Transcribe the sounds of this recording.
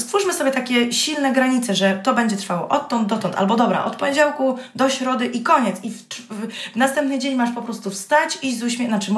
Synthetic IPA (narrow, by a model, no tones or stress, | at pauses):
st̪fuʂmɘsɔbʲjɛt̪akʲɛɕilnɛɡɾaɲit̪sɛʐɛt̪ɔbɛɲd͡ʑɛt̪ɾfawɔ̰ʔɔt̪ːɔnd̪̚d̪ɔt̪ɔnt̪a̰lbɔd̪ɔbɾa̰ʔɔ̰t̪̚pɔɲed͡ʑawkud̪ɔɕɾɔd̪ɘʔikɔɲɛt̪siftvnast̪ɛmpnɘd͡ʑeɲmaʂpɔpɾɔst̪ufst̪at͡ɕizuɕmʲnat͡ʂɘm